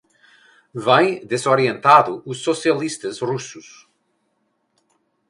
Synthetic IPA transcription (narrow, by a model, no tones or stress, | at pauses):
vãj̃d̪ezoɾiẽnt̪aðuusːosialist̪ɐzrusus